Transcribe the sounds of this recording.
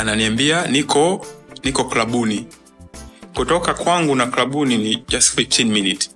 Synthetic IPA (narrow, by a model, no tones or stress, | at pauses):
ananiambianikɔnikɔklaɓuni | kutɔkakwaŋɡunaklaɓuninid͡ʒastfit͡ʃɛnminit